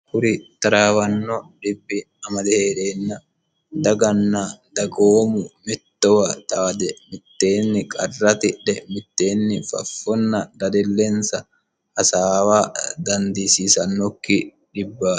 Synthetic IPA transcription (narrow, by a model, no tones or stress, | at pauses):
kʊɾɪt̪ɐɾaːwɐnːɔᶑɪbːɪ | ɐmɐd̪ɛheːᶑeːnːɐ | d̪ɐɡɐnːɐd̪̥ɐɡoːmʊmɪt̪ːɔwɐt̪aːd̪ɛmɪt̪ːeːnːɪkʼɐrːɐt̪ɪᶑɛmɪt̪ːeːnːɪfɐ̰fːɔnːɐd̪ɐd̪ɪlːensɐ | hɐsaːwaːd̪ɐnd̪iːsiːsɐnːɔkːɪ | ᶑɪbːaː